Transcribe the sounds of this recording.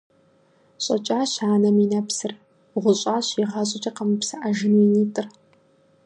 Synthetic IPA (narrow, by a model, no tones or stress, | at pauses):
ɕʼɐ̰t͡ʃʼaːɕaːnɐminɐpsɨr | ʁʷʊɕʼaːɕiʁɐɕʼɪt͡ʃʼɐqɐmɨpsɨʔɐʒɨniniːtʼɨr